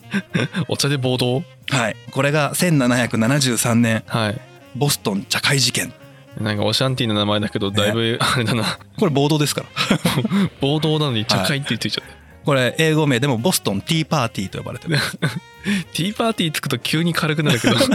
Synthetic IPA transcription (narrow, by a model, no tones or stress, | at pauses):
ot͡ɕad̪e̞bo̞ːd̪o̞ː | haiko̞ɾe̞ɡasẽ̞nːanaçakɯ̟nanaʑɨːsãnːẽ̞ŋhai | bo̞sɨ̥t̪õ̞ɲ̟t͡ɕakaiʑikẽ̞n | nãŋka̰oɕãnt̪̬ʲiːnonamaed̪ake̞d̪o̞d̪aibɯ̟aɾe̞d̪ana | ko̞ɾebo̞ːd̪o̞ːd̪esɨ̥kaɾa | b̥o̞ːd̪o̞ːnano̞ɲ̟it͡ɕakait̪ːeitt͡sɨi̥t͡ɕḁt̪ːe | ko̞ɾe̞ʔeːɡo̞me̞ːd̪e̞mo̞bo̞sɨ̥t̪õ̞nt̪ʲiːpaːt̪ʲiːt̪o̞joba̰ɾe̞t̪e | t̪ʰʲiːpaːt̪ʲiːt͡sɨ̥kɯ̟t̪o̞kʲʰɨːɲ̟ikʰaɾɯk̬ɯ̟naɾɯ̟ked̪